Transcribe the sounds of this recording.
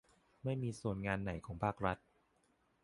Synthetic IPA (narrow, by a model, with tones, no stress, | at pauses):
ma˥˩jmiː˧su˨˩˦nŋaː˧nːa˨˩˦jkʰɔː˩˦ŋpʰaː˥˩k̚ɾa˦˥t̪̚